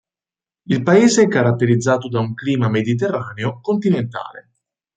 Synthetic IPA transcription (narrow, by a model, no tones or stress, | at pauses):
ilpaeːzeɛkːaɾat̪ːeɾid̪zːaːt̪od̪auŋkliːmamed̪it̪̬erːaːneokont̪inent̪a̰ːlḛ